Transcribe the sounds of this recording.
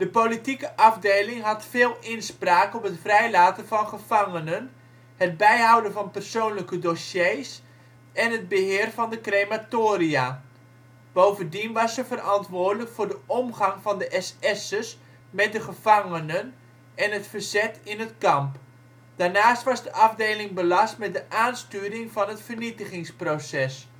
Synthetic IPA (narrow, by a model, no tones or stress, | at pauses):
d̥əpolitikəʔɑvdejlɪŋɦɑtfɪːlˠɪnspraːkɔpɦətfrɛjlaːtəvɑnχəv̥ɑŋənən | həd̚bɛjɦɑwdənvɑnpərsownləkədosjejs | ɛnɦəd̚bəɦɪːrvɑndəkrejmatoːɾia | b̥owvəndinʋɑsəvərʔɑntʋʊːrdələkfʊːrdəɔmχɑŋvɑndəʔɛsɛsəs | mɛt̚dəχəv̥ɑŋənən | ɛnətfərz̥ɛtɪnɦətkɑmp | d̥aːɹnaːstʋɑzdəʔɑvdejlɪŋbəlɑstmɛt̚dəʔaːnstyːɾɪŋvɑnɦətfərnitəχɪŋsprowsɛs